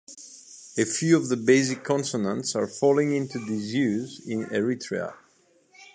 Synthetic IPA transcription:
ɨfjʉʌvðəbeɪsɪkʰːɔ̃nsənə̃ntsə˞fɔlˠɪ̃ŋɪ̃ntudɪzjʉzɪ̃nɛɹitʰɹḛə̰

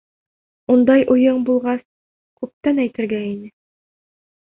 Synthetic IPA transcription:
und̪ɑjʔujɤɴbulˠʁɑs | kʉp̚t̪ænæjt̪ɘ̆ɾɡæinɘ

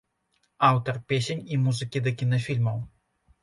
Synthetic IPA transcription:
awt̪ɐrpʲesʲenʲimuzɨkʲid̪ɐkʲinɐfʲilʲmɐw

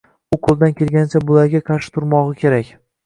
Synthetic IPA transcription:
ʊqʰolˠd̪ankʲʰelɡʲanɪt͡ʃʰabʊlaɾɡʲaqʰɑɾʃɪ̥t̪ʰʊɾmɒʁɨkʲʰe̞ɾakʲ

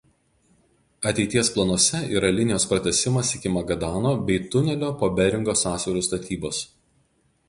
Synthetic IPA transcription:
ɐt̪ʲɛɪt̪ʲiɛsplˠɐnuɔsʲɛḭːɾɐlʲɪnʲɪjoːspɾɐt̪ʲɛsʲɪmɐsɪkʲɪmɐɡɐd̪ɑːnoːbʲɛɪt̪ʊnʲɛlʲoːpoːbʲɛɾʲɪŋɡoːsɑːsʲʋʲɛɾuːst̪ɐt̪ʲʰiːboːs

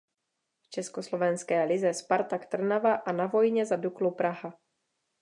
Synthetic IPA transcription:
ft͡ʃɛskoslo̞vɛnskɛːlɪzɛspaɾt̪akt̪r̩navaʔanavo̞jɲɛzaduklupɾaɦa

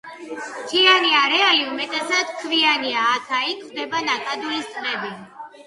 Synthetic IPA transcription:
t̪ʰianiaɾɛaliumɛt̪ʼɛsat̪kʰvianiaːt̪ʰaikʰχd̪ɛbanakʼad̪uist̪sʼqʼɛbi

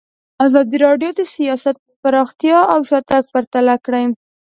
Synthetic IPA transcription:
azɑd̪iɾɑɖjod̪əsijɑsat̪̚ | paɾɑxt̪jɑawʃɑt̪ak̚paɾt̪alakɽajm

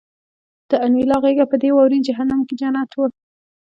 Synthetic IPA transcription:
d̪̥əanilɑɣeɡapəd̪ewawɾid͡ʒaɦanamked͡ʒanat̪wə

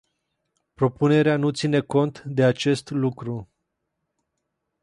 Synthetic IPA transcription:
pɾo̞pune̞ɾeanut̪sine̞ko̞nt̪d̪e̞at͡ʃe̞st̪lukɾu

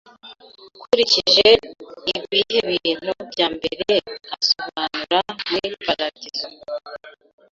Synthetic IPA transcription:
kʰuɾiciʒeiβwiːheβin̥obɟaːmbḛɾeasoβaːnuɾamiɾipaɾatizo

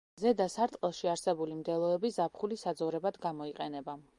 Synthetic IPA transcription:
zɛd̪asaɾt̪ʼqʼɛlˠʃiaɾsɛbulimd̪ɛlˠɔɛbizapʰχulisad̪zɔvɾɛbad̪ɡamɔiqʼɛnɛba

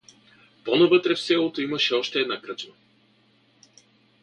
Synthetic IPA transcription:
ponɐvət̪ɾɛfsɛlˠot̪oimɐʃɛɔʃt̪ɛːd̪nakɾət͡ʃbə

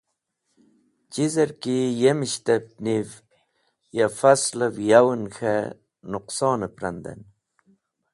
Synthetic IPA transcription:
d͡ʑizeɾkijemiɕt̪ep̚niv | jafasləvjawunxe | nʊqsɑːnəpɾand̪ḛn

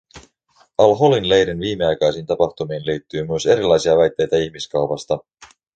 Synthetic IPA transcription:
ɑlɦolinle̞jɾinʋiːme̞ɑjkɑjsiːnt̪ɑpɑxt̪umiːnliːt̪ːyːmyese̞ɾilɑjsiɑʋæjt̪ːe̞jt̪æiçmiskɑwpɑst̪ɑ

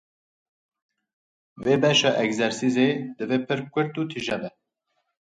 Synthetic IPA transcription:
veːbɛʃɑːʔɛkzɛɾsized̪ɨveːpʰɨɾkʷʰɨɾt̪uːt̪ʰiʒɛbɛ

